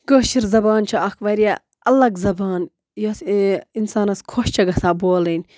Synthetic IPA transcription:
ɡəːt͡ʃiɾzɐbaːnt͡ʃʰɐɐkʰʋɐɾija | ɐlɐɡzɐbaːn | josinsaːnɐskʰoʃt͡ʃʰɐɡɐsaːboːlɐnʲ

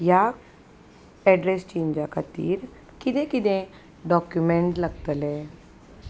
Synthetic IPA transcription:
jaː | ɛːɖɾeːst͡ʃẽːɲd͡ʒakat̪ḭːɾ | kɪd̪ẽkɪd̪ẽ | ɖɔːkjumẽɳʈləɡ̚t̪əlɛː

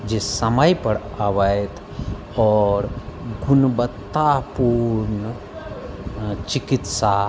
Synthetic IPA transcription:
d͡ʒesɐməjpəɽ | aʋəjt̪ʰ | ɔːɾɡʱunbət̪ːapuɾnə | t͡ʃikit̪sa

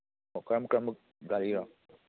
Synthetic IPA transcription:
okɾamkɾam | ɡaliɾa

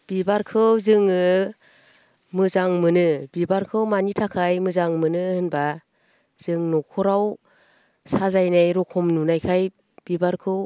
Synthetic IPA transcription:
b̥ibaɾkʰɯwzɯŋɯ | mɯzaŋmɯnɯbibaɾkʰɯwmanitʰakʰajmɯzaŋmɯnɯhɯnba | z̥ɯŋnɔkʰɔɾaw | sazajnajɾɔkʰɔmnunajkʰaj | b̥ibaɾkʰɯw

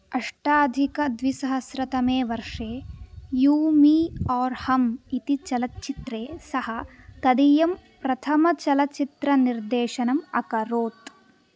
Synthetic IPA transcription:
ɐʂʈaːd̪ʱikɐd̪ʋisɐɦɐsɾɐt̪ɐmeːʋɐɾʂeːjuːmiːɔːɾhɐmit̪it͡ʃɐlɐt̪t͡ʃit̪ɾeːsɐhɐ | k̪ɐd̪ijɐm | pɾɐt̪ʰɐmɐt͡ʃɐlɐt͡ʃit̪ɾɐniɾd̪eːʃɐnɐmɐ̰kɐɾoːt̪

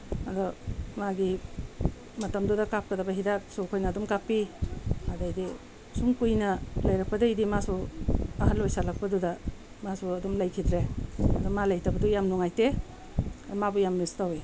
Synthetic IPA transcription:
adɔmaɡi | mɐtɐmdudɐkap̚kɐdabɐɦidap̚sukʰojnɐːdɔmkapːiadajdi | suŋkujnɐlajɾak̚pɐdajdimasuɐɦalːojsalak̚pɐduda | masuɐdɔmlajkʰidɾeɐdɔmalajtabɐdujamnuŋajte | dɔmabɔjamnistawe

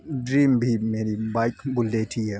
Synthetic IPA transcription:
dɾimbimeɾibajkbulːetʰija

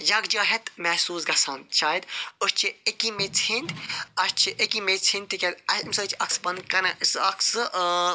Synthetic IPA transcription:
jɐɡd͡ʒɐːɦet̪mɛsuːsɡɐsɐːnt͡ʃʰaːjd̪ʊst͡ʃʰiekimet͡sʰĩnd̪ʲɐst͡ʃʰiʔekimet͡sʰĩnt̪ikʲet̪ɐsmsɐt͡ʃʰɐksbɐnkɐnɐsɐksɨ

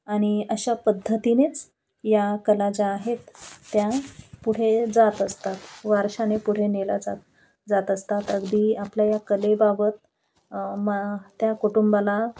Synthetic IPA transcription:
aɽ̃iəɕapəd̪ʱːət̪inet͡s | jakəlad͡ʑaːɦet̪ːjapuɽ̤ed͡zat̪əst̪at̪ʋaɾɕanepuɽ̤enela̰d͡za̰t̪̚ | d͡zat̪əst̪at̪əɡd̪iːapljajakəlebabət̪̚ | mət̪jakoʈumbala

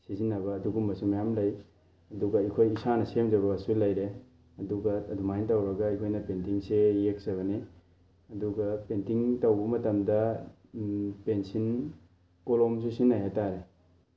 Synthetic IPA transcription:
sizinːɐbɐːduɡumbɐsumɐjamlɐj | ɐduɡɐikʰojisanɐsemd͡ʒɐbɐːsulɐjɾe | ɐduɡɐːdʱumajintɐwɾɐɡɐikʰojnɐpentiŋsejek̚z̥ɐβɐni | ɐduɡɐpentiŋtɐwbɐmɐtɐmdɐ | pensin | koloms̬usinːajataɾe

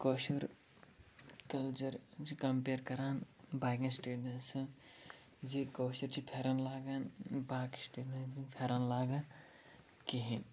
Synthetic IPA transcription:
koːʃɐɾ | kɐlt͡ʃɐɾt͡ʃʰikɐmpeːɾkɐɾaːnbaːɡɐ̃nsʈeːɖɐnsɐ | zikoːʃɐɾt͡ʃʰipʰeːɾɐnlaːɡaːnbaːkisʈeːɖɐ̃nipʰeːɾanlaːɡan | kiɦin

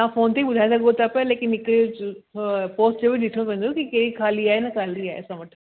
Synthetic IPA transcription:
ãfoːnt̪eiɓʊd̪ʱaːes̬ɐɡot̪apɐleːkɪnːɪkɾio | poːsʈd͡ʑoːbʱiɗɪt̪ʰiɽ̃õpẽːnd̪okikeɾikʰaːliaːɦenɐkʰaːliaːɦesãʋɐʈʰ

